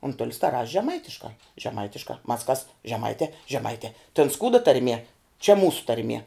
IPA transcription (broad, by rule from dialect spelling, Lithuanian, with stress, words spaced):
ʊnˈtʊlʲɪs tɐ rɐʃʲ ʒʲɛˈmɐɪtʲɪʃkɑː ʒʲɛˈmɐɪtʲɪʃkɑː mɐs kɐs ʒʲɛˈmɐɪtʲɛː ʒʲɛˈmɐɪtʲɛː tʲɛn ˈskuːdɐ tɐrʲˈmʲiɛ t͡ʃʲɛ ˈmuːsʊ tɐrʲˈmʲiɛ